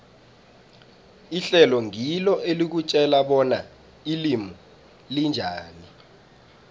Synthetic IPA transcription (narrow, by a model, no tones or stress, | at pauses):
iɬɛlɔŋʱilɔʔelik̬ut͡ʃʼɛlaɓɔna | ilimu | lind͡ʒʱaːni